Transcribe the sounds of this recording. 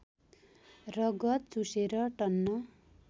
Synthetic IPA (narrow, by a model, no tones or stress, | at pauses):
rʌɡʌt̪̚t͡suseɾʌʈʌnːʌ